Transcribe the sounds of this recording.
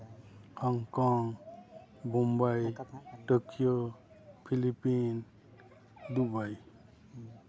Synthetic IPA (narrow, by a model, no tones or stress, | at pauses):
hɔŋkɔŋ | bɔmbajʈokijo | pʰilipin | d̪ubaj